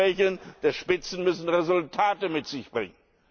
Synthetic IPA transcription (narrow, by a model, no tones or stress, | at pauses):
ɛçl̩nd̥eːɐʃpɪt͡sn̩mʏsn̩ʁezʊltʰaːtəmɪtz̥ɪçb̥ʁɪ̰ŋən